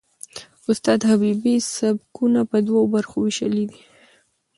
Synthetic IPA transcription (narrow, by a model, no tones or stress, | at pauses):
ʊst̪ɑd̪habibisabkunapəd̪waobaɾxowiʃəlid̪i